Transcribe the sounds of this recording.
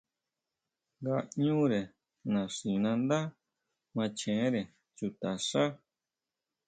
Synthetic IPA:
ŋɡa˧ɲũ˦ɾe˨ | nã˨ʂĩ˨nã˧nd̪a˦ | mã˧t͡ʃẽ˨˦ɾe˨ | t͡ʃu˧t̪a˨ʂa˦

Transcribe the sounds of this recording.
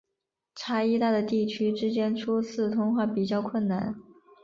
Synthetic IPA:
ʈ͡ʂʰa˥i˥t̪a˥˩d̪ə˩t̪i˥˩t͡ɕʰy˥ʈ͡ʂɻ̩˥t͡ɕjɛ˥nʈ͡ʂʰu˥t͡sʰɹ̩˥˩t̪ʰʊ˥ŋxwa˥˩pi˨˩t͡ɕjɑ˥˧ʊkʰwə˥˩nna̰˥˩˦n

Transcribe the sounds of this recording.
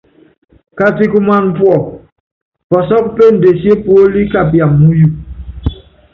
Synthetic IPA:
ka˦ti˦ku˦ma˦˨n˦pwɔ˦˨ | pɔ˨sɔ˦k̚pe˦˨n̩˨de˨sje˦po˦li˦ka˨bja˨mːu˦ju˨

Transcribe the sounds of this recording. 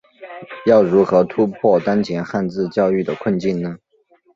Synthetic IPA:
jɑ˥˩ʊɻu˧˥xɤ˧˥t̪ʰu˥pʰwɔ˥˩t̪a˥nt͡ɕʰjɛ˧˥nxa˥˧nt͡sɹ̩˥˧t͡ɕjɑ˥˧ʊy˥˩d̪ə˩kʰwə˥˧nt͡ɕi˥˩nnə˩

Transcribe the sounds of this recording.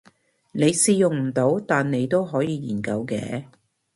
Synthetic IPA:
ne˨˧jsiː˧jʊ˨˩ŋm̩˨˩t̪o˨˥wt̪aː˨nːe˨˧jt̪o˥wɦɔː˨˥jiː˨˧jiː˨˩nkɐ˧wkɛ̰ː˨˥

